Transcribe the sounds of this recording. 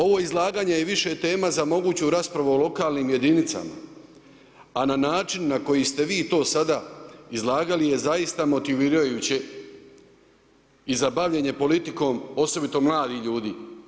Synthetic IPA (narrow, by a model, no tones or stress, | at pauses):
o̞ʋo̞ːizlˠaːɡaːɲejeʋiʃe̞t̪e̞ːmazamo̞ɡuːt͡ɕuɾaspɾaʋuolo̞kaːlniːmje̞d̪init̪sa̰ma̰ | ananaːt͡ʃinːako̞jist̪e̞ʋiːt̪o̞ːsad̪aizlˠaːɡalije̞zajist̪amo̞t̪iʋiːɾajuːt͡ɕe̞ | izabaʋʎeɲe̞po̞lit̪iko̞ːmo̞so̞bit̪o̞mlˠaːd̪iʎuːd̪iː